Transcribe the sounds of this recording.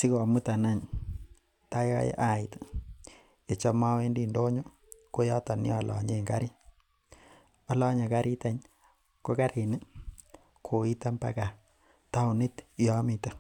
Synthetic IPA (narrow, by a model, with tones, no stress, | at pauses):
si˦kɔ˨mu˦ta˨na˦ɲ | ta˦a̰˦j̰ʔa˨i˨t | e˨t͡ʃa˦ma˦we˦ndi˨ndo˦ɲo˦ | ko˦ja˦ta˨nḭ˦ɔː˦˨lɔ̰˨ɲe˦˨ŋɡa̰˦ɾi˦ | a˨la˦ɲa˨ka˦ɾi˦ta˨ɲ | ko˦ka˦ɾi˨ni˦ | kʰo˨i˦ta˦mpa̰˦ka˨ | ta˦u˨ni˦tjɔ˦mi˨ta˦